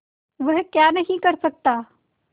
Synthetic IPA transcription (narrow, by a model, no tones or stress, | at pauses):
ʋəɦkjanəɦĩkəɾsək̚t̪a